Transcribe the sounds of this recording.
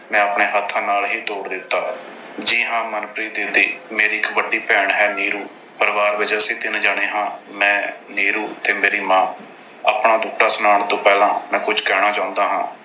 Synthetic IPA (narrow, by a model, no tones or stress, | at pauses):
mɛ̃ːəpɳeːɦət̪ʰːãːnaːlɦiːt̪oːɽd̪ɪt̪ːaː | d͡ʒiːɦãːmənpɾiːd̪ɪnd̪ḭːmeːɾiːɪkʋəɖiːpɛːɳɦɛːniːɾuː | pəɾʋaːɾʋɪd͡ʒɛːəsĩːd̪ɪnd͡ʒaːɽ̃eːɦãːmɛ̃ːniːɾuːt̪eːmeːɾiːmãː | a̰ːpɳaːd̪ʊːkʈaːsʊnaːɳt̪õːpɛːlãːmɛ̃ːkʊd͡ʒkɛːɽ̃aːt͡ʃãːʊnd̪aːɦã̰ː